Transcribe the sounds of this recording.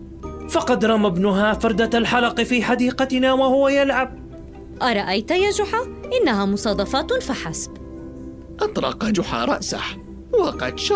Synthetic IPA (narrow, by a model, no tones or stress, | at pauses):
fɑqɑd̪ɾˤɑmabnʊɦaːfɑɾˤd̪aalħalɑqfiːħad̪iːqɑt̪ɪnaːwahʊwajalʕab̚ | ʔɑɾˤɑʔajt̪jaːd͡ʒʊħaʔɪnːaɦaːmʊsˤɑːd̪ˤɑfat̪faħasb | ʔɑt̪ˤɾˤɑ̰qad͡ʒʊħa̰ːɾˤɑʔsa̰h | wɑqɑt̪ʃɑ